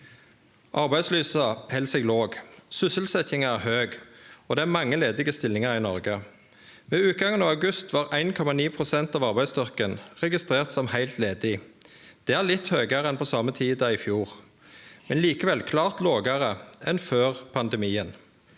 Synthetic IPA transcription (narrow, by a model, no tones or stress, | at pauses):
ʔɑʁbæɪslyːsɑhɛlsɛɡloːɡsʏsəlsɛt̪ɪŋəæʁɦøːɡɔd̪ɛːæːʁmɑŋːəleːd̪ɪɡəst̪ɪlːɪŋɑʁɪnɔʁɡə | ʋeːʉːt̪̚ɡɑŋːənɑːʋɑʉɡʉst̪ʋɑːʁæɪnkʰɔmɑniːpʰʁʊsɛnt̪ɑːʋɑʁbæɪst̪ʏʁkənʁɛɡɪst̪ʁeːʁt̪sɔmhæɪlt̪leːd̪ɪd̪̥ɛæʁlɪt̪høːɡəʁəɛnpʰɔsɑmət̪ʰiːd̪əɪfjuːʁ | mɛnliːkəʋɛlkʰlɑːʁt̪loːɡəʁəɛnføːʁpʰɑnd̪ɛmiːən